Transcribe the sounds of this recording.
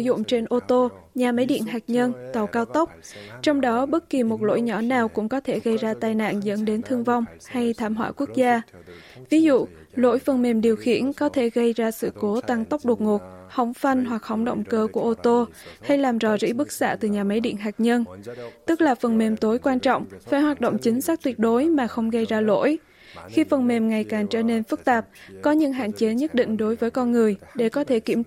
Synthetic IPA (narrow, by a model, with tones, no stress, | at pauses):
zʊ̰˧˨ŋ͡mt͡ɕe˧nʔo˧t̪o˧ɲaː˨˩mə˨˦jɗḭ˧˨ənɦaː˨˩k̚ɲə˧nt̪ə˨˩wkaː˧wt̪ə˦˥wk͡p̚t͡ɕɔ˧wŋ͡mɗɔ˨˦ɓə˦˥t̚ki˨˩mo˨˩t̚lo̰˧˥jɲɔ˧˩naː˨˩wkʊ̰˧˥ŋ͡mkɔ˨˦t̪ʰe˧˩ɣə˧jzaː˧t̪aː˧jna̰ː˧˨nzə̰˧˥nɗe˨˦nt̪ʰɨ˧əŋva˧wŋ͡mha˧jt̪ʰaː˧˩mɦwa̰ː˧˨kwu˦˥ək̚zaː˧vi˨˦zṵ˧˨ | lo̰˧˥jfə˨˩nme˨˩mɗi˨˩əwxḭ˧˩˨ənkɔ˨˦t̪ʰe˧˩ɣə˧jzaː˧sɨ̰˧˨ko˨˦t̪a˧ŋt̪ə˦˥wk͡p̚ɗu˨˩ət̚ŋo˨˩t̚hə˧˩wŋ͡mfa˧ŋnɦwa˨˩k̚hə̰˧˩wŋ͡mɗo̰˧˨wŋ͡mkəː˧ku˧˩ʔo˧t̪o˧ha˧jlaː˨˩mzɔ˨˩zḭ˧˥ɓɨ˦˥k̚sa̰ː˧˥t̪ɨ˨˩ɲaː˨˩ma˨˦jɗḭ˧˨nɦaː˨˩k̚ɲə˧nt̪ɨ˦˥k̚laː˨˩fə˨˩nme˨˩mt̪o˨˦jkwaː˧nt͡ɕɔ̰˧˨wŋ͡mfaː˧˩jhwaː˨˩t̚ɗo̰˧˨wŋ͡mt͡ɕï˨˦ŋ̟saː˦˥k̚t̪wi˧˩ət̚ɗo˨˦jmaː˨˩xə˧wŋ͡mɣə˧jzaː˧lo̰˧˥˨j | xi˧fə˨˩nme˨˩mŋa˨˩jkaː˨˩ŋt͡ɕə̰ː˧˨ne˧nfɨ˦˥k̚t̪aː˨˩p̚kɔ˨˦ɲɨ̰˧˥ŋɦa̰ː˧˨nt͡ɕe˨˦ɲə˦˥t̚ɗḭ̈˧˨ŋ̟ɗo˨˦jvəː˨˦jkɔ˧nŋɨ˨˩əjɗe˧˩kɔ˨˦t̪ʰe˧˩ki˧˩əm